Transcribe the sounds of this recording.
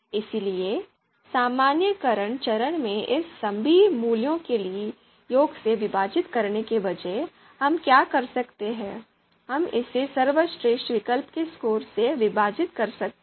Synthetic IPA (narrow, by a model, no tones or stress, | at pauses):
ɪsilie | saːmaːnjəkɐɾəɳt͡ʃɐɾəɽ̃mẽʔɪsːɐ̃mbʱimuːljõkelie | joːɡseʋɪbaːd͡ʒɪt̪kɐɾnekebɐd͡ʒɛɦ | ɦɐmkjaːkɐɾsɐkt̪eɦɛ̃ː | ɦɐmɪ̰sesɐɾʋəsʈɾeːsʈʋɪkəlpkeskoːɾseʋɪbʱaːd͡ʒɪt̪kɐɾsɐk̪̚